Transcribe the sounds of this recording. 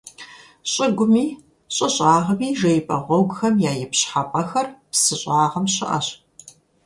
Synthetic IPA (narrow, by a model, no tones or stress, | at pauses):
ɕʼɪɡʷʊmiː | ɕʼɐɕʼaːʁɐmiːʒɐjpʰʼɐʁʷɔwɡxɐmjaːjɪpɕħapʼɐxɐrpsɨɕʼɑːʁɐmɕɪ̰ʔɐ̰ɕ